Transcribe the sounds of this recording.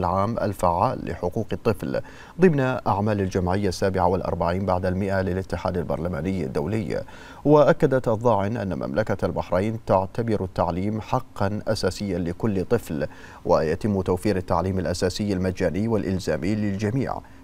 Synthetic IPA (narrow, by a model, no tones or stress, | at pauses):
lʕaːmʔa̰lfaʕːaːlːɪ̰ħʊquːqɨt̪ˤːɨfl | ðˤɨmnaʔaʕmaːlald͡ʒamʕɪjːasːaːbɪʕawɪlʔɑ̰ɾˤbaʕiːnbaʕd̪almɪʔalɪlʔɪt̪ːɪħa̰ːd̪albɑ̰ɾˤlamaːnɪjːa̰d̪ːa̰wlɪjː | waʔakːad̪at̪ʔɑðˤːɑːʕɪnʔa̰nːa̰mʔa̰mlʔakalbaħɾajnt̪aʕt̪abɪɾat̪ːaʕliːmħɑqːɑnʔasaːsɪjːalɪkʊlːt̪ˤɨfl | wa̰jat̪ɪmːt̪awfiːɾat̪ːaʕliːmalʔasaːsɪjːalmad͡ʒaːnɪːwɪlʔɪlzaːmɪːlɪld͡ʒamḭːʕ